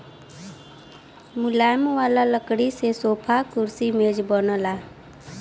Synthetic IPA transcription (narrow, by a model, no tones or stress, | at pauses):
mʊlaːjmʋaːlaləkɽisesoːpʰakʊɾsimeːd͡ʒbənəlaː